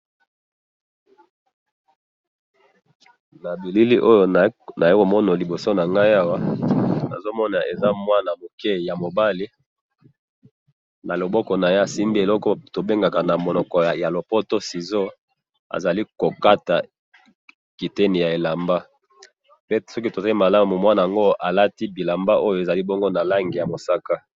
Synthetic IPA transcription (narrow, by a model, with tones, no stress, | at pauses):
na˨bi˨li˦li˦ʔo˦jo˦na˨e˦ko˨mɔ˦na˨li˨bo˨so˦na˨ŋɡa˦ja˦wa˦na̰˨zo˦mɔ˦na˨ʔe˨za˦mwa˦na˨mo˨kɛ˦ja˨mo˨ba˦li˦ | na˨lo˨bɔ˦kɔ˨na˨je˦a˨si˦mbi˦e˨lɔ˦kɔ˦to˨be˦ŋɡa˨ka˨na˨mo˨nɔ˨kɔ˨ja˨lo˨pɔ˦to˦si˨zo˦ | a̰˨za˨li˦ko˨ka˦ta˨ | ki˨te˦ni˨ja˨e˨la˨mba˦ | pe˦sɔ˦k̬i˦to˨za˦i˦ma˨la˦mu˨mwa˦na˨ja˨ŋɡo˦a˨la˦ti˦bi˨la˨mba˦ʔo˦jo˨e˨za˨li˦bɔ˦ŋɡo˦na˨la˦ŋɡi˨ja˨mo˨sa˦ka˦